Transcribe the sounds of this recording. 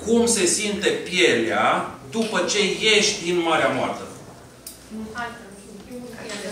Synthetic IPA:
kumse̞sint̪e̞pje̞lead̪upət͡ʃe̞je̞ʃt̪ʲd̪inmaɾeamoa̰rt̪ə

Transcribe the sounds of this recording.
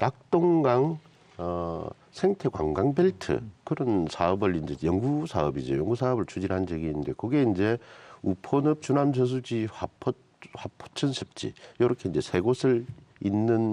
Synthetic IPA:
nak̚t͈oŋɡaŋ | ʌ | sʰe̞ŋtʰe̞kwa̰ŋɡaŋbeɭtʰɯ̰kɯɾʌnsʰaʌbɯɭind͡ʑe̞jʌŋɡusʰaʌbid͡ʑo̰jʌŋɡusʰaʌbɯɭt͡ɕʰud͡ʑiɾɦand͡ʑeɡinːɯnde̞kʌɡe̞ind͡ʑe̞upʰonɯp̚t͡ɕunams̬ʰʌs̬ʰud͡ʑiɸapʰʌ | ɸapʰo̥t͡ɕʰɯnsʰɯ̥p̚t͡ɕ͈ḭjʌɾʌkʰe̞ind͡ʑe̞sʰe̞ɡosʰɯɾ | inːɯn

